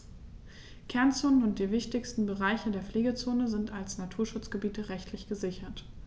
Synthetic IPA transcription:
kʰɛɐnt͡soːnənʊnt̚d̥iːvɪçtɪçstn̩bəʁaɪçədeːɐfleːɡət͡soːnəzɪntalsnatʰuːɐʃʊt͡sɡ̥əbiːtəʁɛçtʰlɪçɡ̥əzɪçɐt

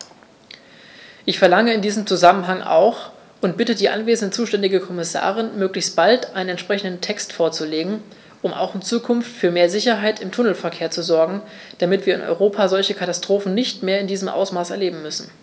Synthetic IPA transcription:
ʔɪçfɛɐlaŋəɪndiːzəmt͡suzamənɦaŋʔa̰ʊx | ʊntb̥ɪtədiːʔa̰nveːzn̩dət͡suːʃtɛndɪɡəkʰɔmɪsa̰ːʁ̞ɪnmøːklɪçst̚b̥altʔaɪnənɛntʃpʁ̥ɛçn̩dən̩tʰɛkstfoːɐt͡suleːɡŋ̩ | ʔʊma̰ʊxɪnt͡suːkʰʊnftfyːɐmeːɐzɪçɐɦaɪtɪmtʰʊnl̩fɛɐkʰeːɐt͡suzɔɐɡŋ̩ | d̥amɪtv̥iːɐɪnʔɔ̰ʏʁoːpʰaːzɔlçəkʰatastʁ̥oːfn̩nɪçtmeːɐɪndiːzəmʔa̰ʊsmaːsɛɐleːbm̩mʏsn̩

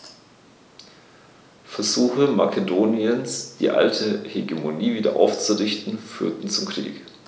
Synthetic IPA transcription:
fɛɐzuːxəma̰kʰedoːnjənsd̥ḭːʔa̰ltʰəheɡemoniːviːdɐ̰ʔa̰ʊft͡suʁɪçtn̩fyːɐtn̩t͡sʊmkʁ̥ḭːk

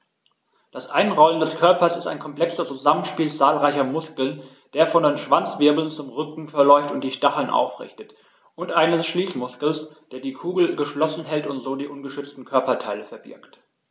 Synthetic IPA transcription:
d̥asʔa̰ɪnʁɔləndɛskʰœɐpɐsɪstaɪnkʰɔmpl̥ɛksɐt͡suzamənʃpiːlt͡saːlʁaɪçɐmʊskl̩n | d̥eːɐfɔndeːnʃv̥ant͡sv̥ɪɐbl̩nt͡sʊmʁʏkŋ̩fɛɐlɔʏftʊnt̚d̥iːʃtaχl̩nʔa̰ʊfʁɪ̰çtət | ʔʊntʔaɪnəʃliːsmʊskl̩sd̥eːɐdiːkʰuːɡl̩ɡəʃlɔsn̩ɦɛltʊntz̥oːdiːʔʊnɡəʃʏt͡stn̩kʰœɐpɐtʰaɪləfɛɐbɪ̰ɐkt

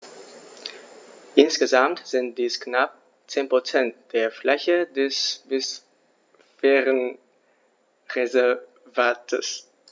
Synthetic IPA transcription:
ʔɪnsɡ̥əzamtz̥ɪnt̚d̥iːsknap̚ | t͡seːnpʁ̥ot͡sɛnt̚d̥eːɐflɛçədɛsvɪs | fɛːʁən | ʁezɛɐ | vaːtʰə̰s

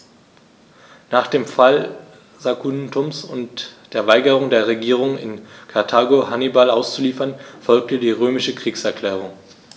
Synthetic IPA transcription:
naːχd̥eːmfal | zakʰuntʊmsʊ̰ntd̥eːɐvaɪɡəʁ̞ʊŋdeːɐʁ̞eɡiːʁ̞ʊŋɪ̰nkʰaɐtʰaːɡohanibalʔaʊst͡suliːfɐnfɔlk̚tədiːʁøːmɪʃəkʁ̥iːksɛɐkl̥ɛːʁ̞ʊŋ

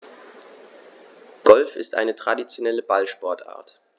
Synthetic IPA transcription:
ɡ̥ɔlfɪstʔa̰ɪnətʁ̥adit͡sjonɛləbalʃpɔɐtʔa̰ːɐt

